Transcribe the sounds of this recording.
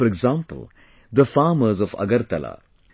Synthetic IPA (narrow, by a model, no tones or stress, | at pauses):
fɔɾɪɡzãːmpə̰lˠ | d̪əfaːməzɔfɐ̰ɡəɾt̪ɐla̰